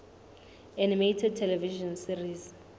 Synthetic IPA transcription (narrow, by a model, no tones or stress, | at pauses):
animetʰɛd̚tʰɛlɛviʒɔnsiriz